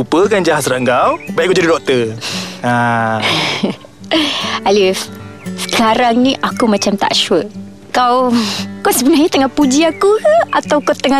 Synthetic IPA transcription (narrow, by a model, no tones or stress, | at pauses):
upəkand͡ʒaɦasɾaʔŋɡawbajiʔkowd͡ʒadidɔk̚t̪əa | alifsə̥kaɾaŋnĩʔakumãt͡ʃamt̪a̰ʔʃuə | kawkawsəbənahɲat̪əŋahpud͡ʒiakuat̪awkat̪əŋa